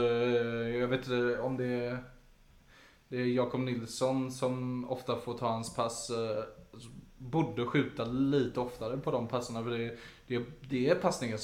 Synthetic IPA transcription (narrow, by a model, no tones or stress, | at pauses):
jɑveːt̪ɪnt̪əɔmd̪ɛ | d̪̥ɛæɾjɑːkʊmnɪlːsɔnsɔmɔft̪afoːɾʈʰɑːhanspʰas | buːɖəɧʉ̟ːt̪aliːt̪əɔft̪aɾəpʰɔd̪ɔmpʰasːəɳafœɖɛd̪̥ɛd̪ɛːɾpʰasnɪŋən